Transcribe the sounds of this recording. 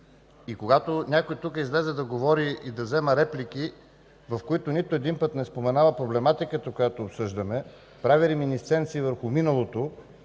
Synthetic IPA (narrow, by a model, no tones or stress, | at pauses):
ikoɡat̪onʲakojit̪ukəizlɛzɛd̪ɐɡovɔɾiid̪ɐzɛməɾɛpliki | vɐfkoit̪ʊnit̪ʊɛd̪inpət̪nɛspomɛnavəpɾoblɛmat̪ikət̪əkojat̪oːpsɤʒd̪əmɛ | pɾaviɾiminist̪sɛnt̪siːvəɾxʊminəlˠot̪o